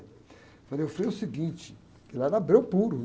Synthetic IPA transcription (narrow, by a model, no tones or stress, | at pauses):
faleofɾejʊsɪɡĩt͡ʃɪ̥ | kɪlɐɛɾabɾewpuɾʊ